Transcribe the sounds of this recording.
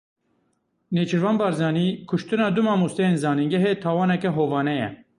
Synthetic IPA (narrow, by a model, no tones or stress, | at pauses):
neːt͡ʃʰɪɾvɑːnbɑːɾzɑːniːkʰʊʃt̪ɨnɑːd̪umɑːmust̪ɛjeːnzɑːniŋɡɛɦet̪ʰɑːwɑːnɛkɛɦoːvɑːnɛjɛ̰